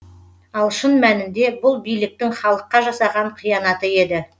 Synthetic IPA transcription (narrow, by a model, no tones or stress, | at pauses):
ɑlˠʃənmænɪnd̪e̞bʊlˠbijlɪk̚t̪ɪŋχɑlˠəqːɑʒɑsɑʁɑɴqʰijɑnɑt̪əe̞d̪ɪ